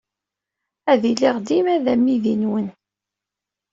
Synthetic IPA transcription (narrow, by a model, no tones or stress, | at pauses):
æðiliʁd̪imæðæmːiðinwən